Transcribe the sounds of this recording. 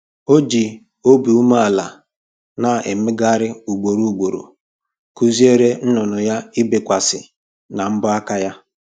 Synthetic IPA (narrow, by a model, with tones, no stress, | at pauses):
o˦d͡ʒi˨ | o˦bi˨u˦ma˦a˨la˨ | na˨e˨m˦ɪ˦ɡa˦ɾɪ˦u˨ɡ͡bo˨ɾu˦u˨ɡ͡bo˨ɾo̰˨ | ku˦zi˦e˦ɾe˦n̩˦nʊ˨nʊ˨ja˦ɪ˦bɪ˨kʷa˨sɪ˨ | na˨m̩˦bʊ˦a˦ka˦ja˦